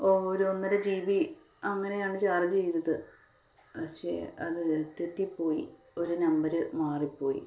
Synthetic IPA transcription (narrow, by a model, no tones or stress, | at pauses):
oːɾuonːɐɾed͡ʑiːʋi | ɐŋːɐne̞jaːɳɨt͡ɕaːrd͡ʑt͡ɕejt̪ːɐðɨ | pɐkʂe̞̰ːɐðɨet̪ːjɐt̪ːipːo̞ːjḭ | o̞ɾunɐmbɐɾɨmaːripːo̞ːjḭ